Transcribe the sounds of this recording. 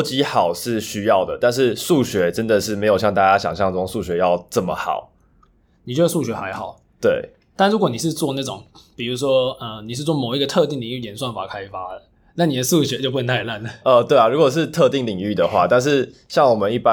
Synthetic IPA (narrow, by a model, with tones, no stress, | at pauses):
t͡ɕi˥xɑ˨˩ʊʂɻ̩˥˩ɕy˥jɑ˥˩ʊd̪ə˩t̪a˥˧nʂ̬ɻ̩˥˧ʂu˥˩ɕɥɛ˧˥ʈ͡ʂə˦nd̪ə˨ʂɻ̩˥˩me˧˥ɪjo˨˩ʊɕjɑ˥˧ŋt̪a˥˩t͡ɕja˦˥ɕjɑ̰˨˩ŋɕjɑ˥˧ŋʈ͡ʂɤ˥˩ʈ͡ʂo˨˩ŋsu˥˩ɕɥɛ˧˥˦jɑ˥˧ʊʈ͡ʂə˥˩mə̰˩xɑ̰˨˩˦ʊ | ni˨t͡ɕjə˧s̬u˥˩ɕɥɛ˧˥xa˧˥ɪxɑ˨˩˦ʊ | t̪we˥˩ɪ | t̪a˥˩˧ɻu˧˥k̬wɔ˧˦ni˨˩ʂ̬ɻ̩˥˧t͡swɔ˥˧na˥˩ʈ͡ʂʊ˨˩˦ŋpi˨˩ɻu˧˥ʂ̬wɔ˥ə˧ni˨ʂ̬ɻ̩˥˧t͡swɔ˥˩mo˨˩ʊi˥ɡə˧t̪ʰɤ˥˧t̪i˥˩ŋli˧˥˩jɛ˧˥˦nswa˥˩nfa̰˨˩kʰa˥ɪfa˥də˩ | na˥˩ni˨˩d̪ə˧su˥˩ɕɥɛ˧˥t͡ɕo˥˩ʊpu˧˥nə˧˦nt̪ʰa˥˩ɪla˥˩nlə˩ə˧t̪we˥˩a˨˩ɻu˧˥kwɔ˨˩ʂ̬ɻ̩˥˧t̪ʰɤ˥˧t̪i˥˩ŋli˨˩ŋy˥˩d̪ə˩xwa̰˥t̪a˥˧nʂ̬ɻ̩˥˧ɕjɑ˥˩ŋwɔ˨˩mə˨˦ni˥˩pa˦